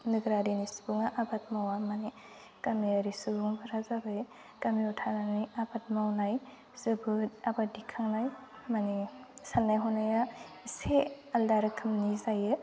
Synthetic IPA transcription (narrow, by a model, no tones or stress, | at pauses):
nɯɡɾadinisubɯŋaʔabat̚mawamani | kamiaɾisubɯŋbaɾazabɯj | kamiutʰananiabat̚mawnaj | zɯbɯtabadikʰaŋnaj | manisanːajɦɔnaja | se | aldaɾɯkʰɯmnizajɯ